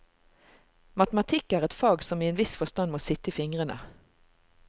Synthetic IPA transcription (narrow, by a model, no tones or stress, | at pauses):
mɑt̪əmɑt̪ʰɪkːæːʁɛt̪fɑːɡsɔmiːeːnʋɪsfɔst̪ɑnmoːsɪt̪ːəiːfɪŋʁənə̰